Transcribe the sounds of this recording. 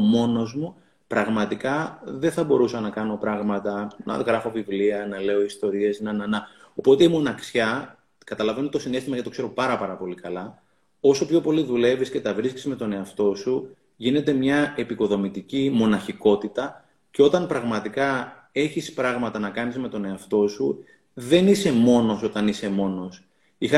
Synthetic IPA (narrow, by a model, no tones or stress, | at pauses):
mo̞no̞zmu | pɾɐɣmɐt̪ikɐðe̞θɐbo̞ɾusɐnɐkɐno̞pɾɐɣmɐt̪ɐnʔɐ̰ɣɾɐfo̞vivliɐnɐle̞o̞ist̪o̞ɾie̞snɐnɐnɐo̞po̞t̪e̞imo̞nɐksçɐ | kɐt̪ɐlɐve̞nut̪osine̞st̪imɐcɐt̪o̞kse̞ɾo̞pɐɾɐpɐɾɐpo̞likɐlɐ | o̞so̞pço̞po̞liðule̞visce̞t̪ɐvɾiscizme̞t̪o̞ne̞ɐft̪o̞su | ʝine̞t̪e̞mɲɐe̞piko̞ðo̞mit̪icimo̞nɐçiko̞t̪it̪ɐ | ceo̞t̪ɐnpɾɐɣmɐt̪ikɐ | e̞çispɾɐɣmɐt̪ɐnɐkɐnizme̞t̪o̞ne̞ɐft̪o̞su | ðe̞nise̞mo̞no̞so̞t̪ɐnise̞mo̞no̞s | ixɐ